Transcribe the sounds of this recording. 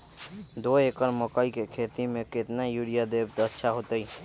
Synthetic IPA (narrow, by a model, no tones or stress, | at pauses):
d̪oekəɾməkəikekʰet̪imeket̪najuɾijad̪ebt̪ətːʃʰaɦot̪əj